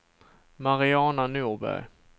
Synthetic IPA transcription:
maɾɪɑːnanuːʁbæ̰j

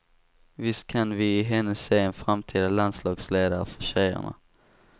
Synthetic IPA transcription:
vɪst̪̚kʰanvɪɪɦɛnːəseːɛnfɾamt̪ʰiːd̪aland̪slɑːɡsleːd̪aɾfœ̥ɕɛjə̰ɳa̰

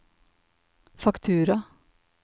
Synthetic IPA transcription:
fakt̪ʰʉːɾa

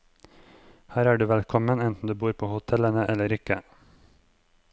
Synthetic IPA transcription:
hæːɾæːɖʉːʋɛlkʰɔmənɛnt̪n̩d̪ʉːbuːɾpʰoːhʊt̪ʰɛlənəʔɛləɾɪkə

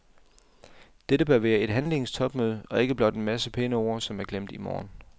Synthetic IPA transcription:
d̥eɾəb̥ɶɐʋæːɐe̝d̥ɦænle̝ŋst͡sʰɒ̽b̥møð̞ˠəɒ̽e̝ɡ̥əb̥lɒ̽d̥e̝nmæsəpʰenəoɐsɒ̽mæɐɡ̥lem̰d̥imɒ̰ːn

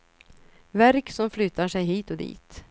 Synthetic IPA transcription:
væɾksɔmflʏt̪aʂɛjɦiːt̪ɔd̪ḭːt̪

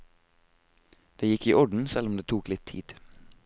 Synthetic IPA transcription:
d̪̥eːjɪkiːʔɔɖn̩sɛlʊmd̪eːt̪ʰuːklɪt̪ʰḭːd̪̥

